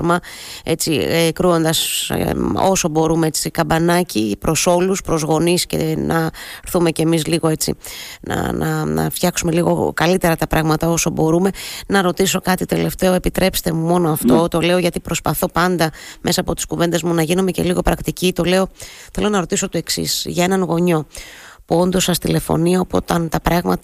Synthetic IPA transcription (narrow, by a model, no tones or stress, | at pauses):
ɾmɐ | e̞t͡siekɾuo̞nd̪ɐs | o̞̰so̞bo̞ɾumeet͡sikɐbɐnɐcipɾʔo̞so̞luspɾo̞zɣo̞nisce̞̰nɐɾθume̞ce̞misliɣo̞e̞t͡sḭnɐ̰nɐ̰nɐ̰ft̪çɐksume̞liɣo̞̰kɐlit̪e̞ɾɐt̪ɐpɾɐɣmɐt̪ɐo̞so̞bo̞ɾume̞nɐɾo̞t̪iso̞kɐt̪it̪e̞le̞ft̪e̞oepit̪ɾʔe̞pst̪e̞mumo̞no̞ɐft̪o̞t̪o̞le̞o̞ʝɐt̪ipɾo̞spɐθo̞pɐnd̪ɐme̞sɐːpo̞t̪i̥skuve̞nd̪e̞zmunɐʝinume̞ce̞̰liɣo̞pɾɐkt̪icit̪o̞le̞o̞θe̞lo̞nɐɾot̪iso̞t̪o̞e̞ksḭsʝɐe̞nɐŋɣo̞ɲo̞puo̞nd̪o̞sɐst̪ḭle̞fo̰niɐopo̰t̪ɐnt̪ɐpɾɐɣmɐt̪ɐ